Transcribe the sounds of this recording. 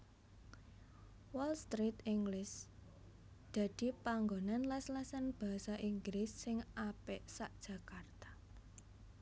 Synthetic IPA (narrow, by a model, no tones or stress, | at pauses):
wɔlst̪ɾit̪iŋɡlɪs | d̪̥ä̤d̪̥i̤paŋɡonanlɛslɛsɛnb̥a̤saʔiŋɡlɪsːɪŋapɛʔsaʔd̥ʒ̥ä̤kart̪ḁ